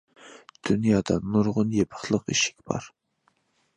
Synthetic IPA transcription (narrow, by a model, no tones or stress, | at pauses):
d̪̥unjɑːd̪ɑnuɾʁʊnjepʰə̥χlˠəqiʃɪ̥kʲb̥ɑ̰ɾ